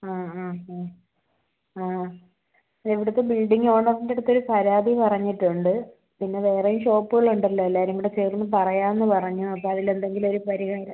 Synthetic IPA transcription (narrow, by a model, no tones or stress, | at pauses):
aːaːa | aː | eʋiɽut̪ːebilɖiŋɡoːɳoiɲiɽut̪ːo̞ɾupɐɾaːd̪ʱipɐrɐɲːiʈːuɳɖɨ | pinːe̞ʋe̞ːrɐjumɕo̞ːpːɨɣɐɭuɳɖɐlːoelːaːɾumiɽet͡ɕeːrunːɨpɐrɐjaːenːɨpɐrɐɲːuɐpːoːɐðile̞nd̪e̞ŋɡilo̞ɾupɐɾihaːɾɐ